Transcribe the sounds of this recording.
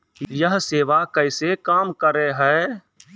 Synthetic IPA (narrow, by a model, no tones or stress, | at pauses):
jəɦseːʋakəɪsekaːmkəɾeɦɛ